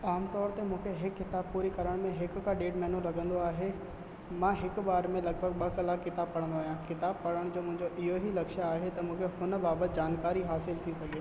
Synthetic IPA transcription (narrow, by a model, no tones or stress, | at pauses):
aːmt̪ɔːɾt̪emũːkʰeɦɪkːɪt̪aːb̚puːɾikɐɾəɽ̃mẽɦɪkʊ̆kãɖeːʈmɛːnũlɐɡʱə̃nd̪oaːɦe | mãːɦɪkʊ̆ɓaːɾmẽlɐɡbʱəɡ̚ɓɐkɐlaːkːɪt̪aːb̚pɐɽə̃nd̪oaːɦjãkɪt̪aːbpɐɽəɽ̃d͡ʑoːmʊ̃ɦɪ̃ɲd͡ʑoʔɪɦoɦilɐkʃaːɦet̪ɐmũːkʰehʊnə̆baːbət̪̚d͡ʑaːnkaːɾiɦaːsɪlt̪ʰisɐɡʱeː